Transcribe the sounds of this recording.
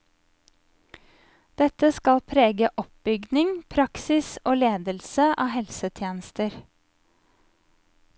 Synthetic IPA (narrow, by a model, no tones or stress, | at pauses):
d̪̥ɛt̪əskɑlpʰɾeːɡəʔɔp̚b̥ʏɡd̪nɪŋpʰɾɑksɪsoːleːd̪əlsəʔɑ̰ːhɛlsət̪ʰjeːnəst̪əɾ